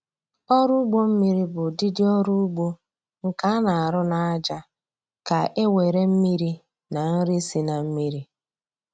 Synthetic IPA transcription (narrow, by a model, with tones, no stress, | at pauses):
ɔ˦ɾu˦ɡ͡bo˦m̩˦mi˦ɾi˦bʊ˨dɪ˦dɪ˦ɔ˦ɾu˦ɡ͡bo˦ | ŋ̩˨ka˦na˨a˨ɾʊ˦na˨a˦d͡ʒa˦ | ka˨e˦wʷe˨ɾe˦m̩˦mi˦ɾi˦ | na˨n̩˦ɾi˦si˨na˨m̩˦mi˦ɾi˦